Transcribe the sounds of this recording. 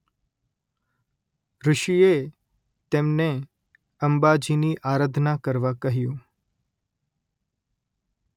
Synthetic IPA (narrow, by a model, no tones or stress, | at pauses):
ɾʊʃie | t̪emne | əmbad͡ʒiniʔaɾəd̪ʱnakəɾʋakəɦjũ